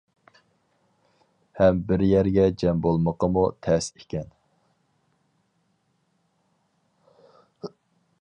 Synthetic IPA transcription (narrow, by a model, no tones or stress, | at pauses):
hɛmbɪɾjæɾɡʲɛd͡ʒɛmbolˠməqəmut̪ʰɛsekʲɛn